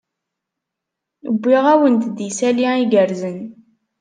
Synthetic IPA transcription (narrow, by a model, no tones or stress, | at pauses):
əbʷːiʁæwənt̪d̪isæliiɡəɾzən